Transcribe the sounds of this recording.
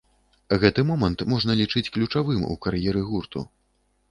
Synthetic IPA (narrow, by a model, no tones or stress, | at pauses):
ɣɛt̪ɨmɔmɐnt̪mɔʐnɐlʲit͡ʂɨt͡sʲklʲut͡ʂavɨmṵkaɾjɛɾɨɣurt̪ṵ